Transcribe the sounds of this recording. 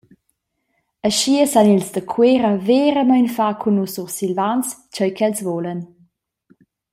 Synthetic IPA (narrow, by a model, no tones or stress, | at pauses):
əʃiəsanilsdəkʰweɾəveːɾəmajnfakʰunususilvant͡st͡ʃəjkʰɛlsvɔlən